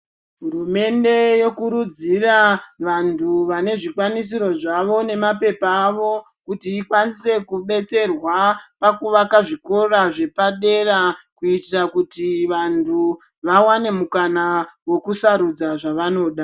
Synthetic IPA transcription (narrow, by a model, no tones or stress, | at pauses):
ɦuɾume̞nde̞jo̞kuɾud͡ziraʋantʰuʋane̞ʐikwanis̬iɾo̞ʐaʋo̞ne̞mape̞paːʋo̞ | kutiːkwanise̞kuɓe̞t͡se̞rwapakuʋakaʐiko̞raʐe̞paɗe̞rakuitirakutiʋantʰu | ʋawane̞mukanawe̞kusaɾud͡zaʐaʋano̞ːɗa